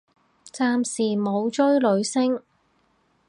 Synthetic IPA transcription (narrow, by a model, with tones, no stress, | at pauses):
t͡saː˧msiː˨mo˨˧wt͡ʃɵ˥ɥlɵ˨˧ɥsɪ˥ŋ